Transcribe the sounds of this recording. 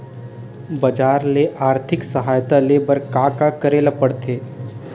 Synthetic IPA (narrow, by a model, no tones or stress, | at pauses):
bɐd͡ʒaːɾleʔaːɾt̪ʰɪksəɦaːjt̪aleːbəɾkaːkakəɾeːlapəɽt̪ʰeː